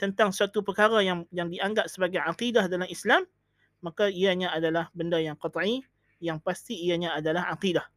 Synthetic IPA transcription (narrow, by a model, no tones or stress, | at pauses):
t̪ənt̪aŋsuat̪upərkaɾajaŋjaŋdiaŋɡap̚səbaɡajʕaqidahdalamislamː | akaijaɲãadalahbəndajaŋqɔt̪ˤʕi | jaŋpast̪iːaɲãːdalahaqidah